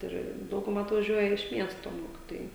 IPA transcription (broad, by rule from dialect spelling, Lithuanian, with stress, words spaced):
ˈɪr ˈdɐʊɡʊˌmɐ ɐtʋɐˈʒʲuɔjɛ ɪʃ ˈmʲiɛstoː ˈmoːkʲɪtoːjɛɪ